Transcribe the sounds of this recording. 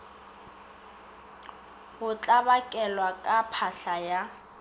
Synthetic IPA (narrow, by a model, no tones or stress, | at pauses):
hʊt͡ɬʼabakʼɛlwakʼapʰaɬaja